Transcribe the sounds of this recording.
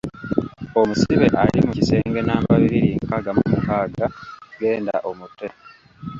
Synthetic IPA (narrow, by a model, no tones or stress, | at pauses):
o̞musiβe̞ʔalimucise̞ːŋɡe̞naːmbaβiɾiɾiŋkaɡamumukaːɡaɡe̞ːnda̰ʔomutːe